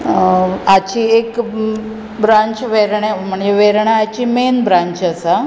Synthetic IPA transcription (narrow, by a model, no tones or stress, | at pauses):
at͡ɕiːek | bɾãɲt͡ɕʋeɾɳem̤əɳd͡zeʋeɾɳaːt͡ɕimenbɾãɲt͡ɕəsa